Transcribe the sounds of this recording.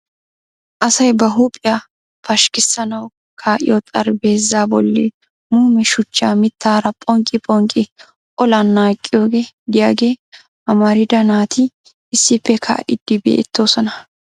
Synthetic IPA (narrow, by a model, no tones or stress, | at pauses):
ʔɐsɐjbɐɦupʼɪja | pɐʃkɪsːɐnɐw | kʰaːʔɪ̰jot̪ʼɐɾbe̞ːzːaːbɔlːḛ | muːmɛʃʊt͡ʃːaːmɪt̪ːaːɾɐpʼɔŋkʼːɪpʼɔŋkʼɪ | ʔɔlɐnːaːkʼːɪjo̞ːɡe̞ː | d̪ɪjaːɡe̞ː | ʔɐmɐɾɪd̪ɐnaːt̪ɪ | ɪsːɪpːɛkʰa̰ʔɪ̰d̪̥ːɪbḛːt̪ːo̞ːsɔnɐ